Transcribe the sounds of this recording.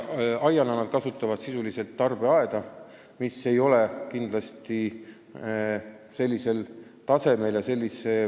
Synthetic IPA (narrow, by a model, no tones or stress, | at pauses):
ɑjɑnɑnɑd̪̥kɑsut̪ːˑɑvɑd̪sisulise̞lt̪ːɑrb̥e̞ɑe̞d̪̥ɑ | mise̞jo̞le̞kind̪̥lɑst̪i | se̞lʲːise̞l | t̪ɑse̞me̞ljɑselːise̞